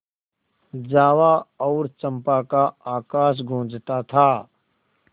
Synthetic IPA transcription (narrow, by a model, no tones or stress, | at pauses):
d͡ʒaːwaɔːɾt͡ʃə̃mpakaaːkaːʃ̬ɡʱõːd͡ʒt̪at̪ʰaː